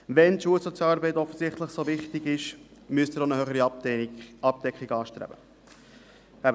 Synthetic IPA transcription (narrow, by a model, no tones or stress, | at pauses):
ʋɛntʃuəlsɔt͡sjɑːɑːɾbɛɪt̪ɔfːəzɪχt̪ləχsovɪχt̪iɡɪʃmyəst̪ɪɾonəhøχəɾi | ɑp̚d̥ɛkχiɡɑːʃtɾɛ̰b̥ə | æbə